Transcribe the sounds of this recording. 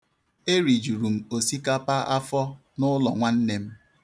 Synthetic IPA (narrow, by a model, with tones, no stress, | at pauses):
e˦ɾi˨d͡ʒu˨ɾu˨m̩˨o˨si˦ka˦pa˦ʔa̰˦fɔ˦ | nʊ˦lɔ̰˨ŋʷa˦n̩˦ne˦m̩˦